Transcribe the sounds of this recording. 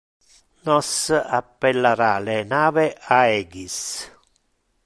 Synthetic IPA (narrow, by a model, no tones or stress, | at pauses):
nɔsapːɛlːaɾaːlɛnaːvɛaɛɡis